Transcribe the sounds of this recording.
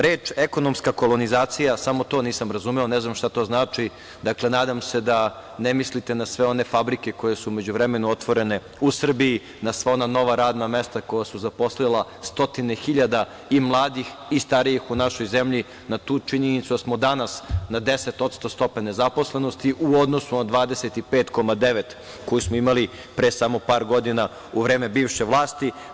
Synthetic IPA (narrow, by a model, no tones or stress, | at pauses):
ɾeːt͡ʂeko̞nomskako̞lo̞nizaːt̪sijasamo̞t̪o̞ːniːsamɾazumeoneznamʃt̪at̪o̞ːznaːt͡ʂi | d̪akle̞naːd̪amsed̪anemislit̪e̞nasʋeo̞ne̞fabɾike̞ko̞jesuːme̞d͡ʑuʋɾemenuot̪ʋo̞ɾe̞ne̞ | usr̩biji | nasʋeonano̞ʋaɾaːd̪namest̪ako̞jasuzapo̞slilˠast̪o̞t̪inexiʎad̪a | imlˠaːd̪ixist̪aɾijixunaʃo̞jzemʎi | nat̪uːt͡ʃiɲenit̪sud̪asmod̪anasnad̪e̞set̪o̞t̪st̪ost̪o̞pane̞zapo̞sle̞no̞st̪iʔuo̞d̪nosunad̪ʋaːd̪eset̪ipeːt̪ko̞mad̪eʋet̪ | ko̞jusmoimali | pɾesamo̞paːɾɡo̞d̪ina | uʋɾe̞ːme̞biːʋʃe̞ʋlˠaːst̪i